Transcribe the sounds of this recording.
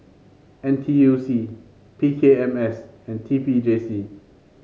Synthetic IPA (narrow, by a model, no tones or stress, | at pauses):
ɛ̃ntʰijusi | pʰiːkʰeɛ̃mɛsɛ̃ntʰipid͡ʒesi